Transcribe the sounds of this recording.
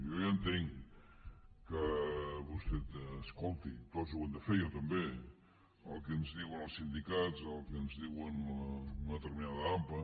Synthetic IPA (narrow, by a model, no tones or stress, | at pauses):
jojənt̪eŋ | kəβust̪ɛt̪əskolˠt̪it̪ozuwənd̪əfejot̪əmbe | əlˠkənzðiwənəlˠsind̪ikazəlˠkənzðiwənunəət̪əɾminaðəamplə